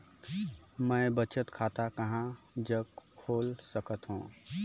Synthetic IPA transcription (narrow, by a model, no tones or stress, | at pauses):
mə̃bət͡ʃət̪kʰaːt̪akəɦã | d͡ʒəɡkʰːoːlsəkət̪ɦṵ̃ː